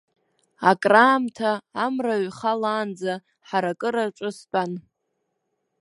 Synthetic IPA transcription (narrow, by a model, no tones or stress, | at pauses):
akʼraːmtʰaːmraɥχalaːnd͡za | ħaɾakʼɨɾaʈ͡ʂʷʼɨspʼan